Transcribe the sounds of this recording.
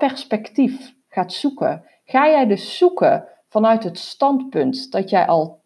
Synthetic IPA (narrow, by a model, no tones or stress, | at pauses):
pɛrspɛktif | xaːtsukə̰ | xaːjɛjdɵsːukə̰ | v̥ɑnœɥtɦətstɑntpɵntd̥ɔtjɛjʔɑ̰lˠ